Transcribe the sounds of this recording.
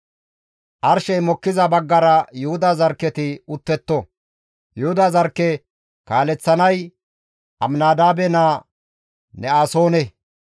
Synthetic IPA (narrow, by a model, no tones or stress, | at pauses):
ʔɐɾʃɛjmɔkːɪzɐbɐɡːɐɾɐjʊhʊd̪ɐzɐɾkːɛt̪ɪʊt̪ːɛt̪ːɔ | jʊhʊd̪ɐzɐɾkːɛ | kaːlɛt͡sːɐnɐj | ʔɐmnaːd̪aːbɛnaː | nɛaːso̞ːnɛ